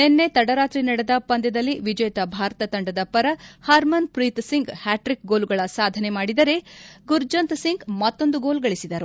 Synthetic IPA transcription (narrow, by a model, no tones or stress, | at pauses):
nenːe̞t̪ɐɽɐɾaːt̪ɾinɐɽed̪ɐpɐnd̪ɛd̪ɐlːiʋid͡ʒɐjɐt̪ɐbʱaːɾɐt̪ɐt̪ɐɳɖɐd̪ɐpɐɾɐhaːɾmɐnpɾit̪siŋɡhaːʈɾik̚ɡo̞ːluɡɐɭɐsaːd̪ʱɐne̞maːɽid̪ɐɾe̞ɡuɾd͡ʒɐnt̪siŋɡmɐt̪ːo̞nd̪uɡo̞ːlɡɐɭisid̪ɐɾu